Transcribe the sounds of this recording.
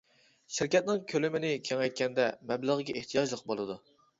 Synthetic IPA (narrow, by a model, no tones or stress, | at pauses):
ʃɪɾkʲɛt̪̚nɪŋkʲʰølɪmɪnɪkʲʰeŋɛjt̪̚kʲɛnd̪ɛmɛbləʁəɡʲɛʔeht̪ʰijɑʒlˠəq̚bolˠɨd̪u